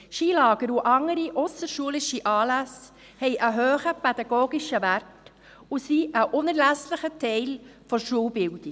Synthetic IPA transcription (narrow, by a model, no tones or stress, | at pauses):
ʃiːlɑːɡ̥əɾuʔɑŋəɾiʔʊsəʃuəlɪʃiʔɑːlæs | hɛɪʔəɦøːχəpɛd̥̪ɑɡoːɡiʃəʋært | usiʔəʔʊnəɾlæsləχətʰɛɪlfɔʃuəlbɪwd̥i